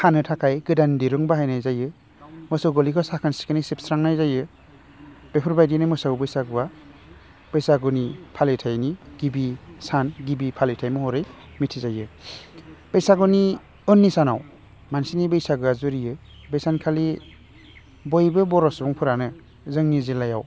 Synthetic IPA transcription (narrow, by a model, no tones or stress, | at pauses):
hʰanɯtʰakʰajɡɯdandiɾɯŋbaɦajnajzajɯ | mɔsawɡɔlikʰɔsakʰansi̥kɯnisip̚sɾaŋnajzajɯ | b̥epʰɯɾbajdinɯmɯsaɡbɯjsaɡɯwa | b̥ɯjsaɡɔnipʰalitʰajniɡ̥ibisanɡibipʰalitʰajmɔhɔɾɯj | mitʰizajɯ | b̥əjsaɡɔni | ɯnːisanaw | mansinibɯjsaɡɯazuɾijɯ | bɯjsankʰali | bɔjbɯbɔɾɔsbɔŋpʰɯɾanɯ | zɯŋnizilajaw